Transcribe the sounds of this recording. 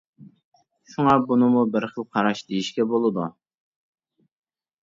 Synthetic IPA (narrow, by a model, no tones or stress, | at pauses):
ʃuŋɑbunɨmubəɾχəlˠqʰɑɾɑʃd̪ejiʃkʲɛbolˠɨd̪u